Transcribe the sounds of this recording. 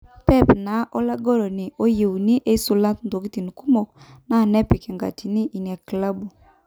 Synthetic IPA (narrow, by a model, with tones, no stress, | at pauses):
pɛ˦˨pna˨˦ʔo˦la˦ɡɔ˦ɾɔ˨ni˨ʔo˦je˨u˨ni˦ʔe˦so˨la˦tndo˨ki˦ti˨ni˨ku˦mɔ˨kna˦˨nɛ˦pi˨ki˨ŋɡa̰˨ti˨ni˦ʔi˨n˨a˨kla˦bu˨